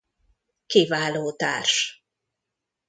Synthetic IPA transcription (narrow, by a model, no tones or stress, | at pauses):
kivaːloːt̪a̰ːrʃ